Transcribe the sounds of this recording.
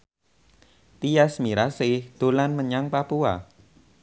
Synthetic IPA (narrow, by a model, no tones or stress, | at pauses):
t̪ijasmiɾasɪhd̪̥o̤lanməɲaŋpapua̰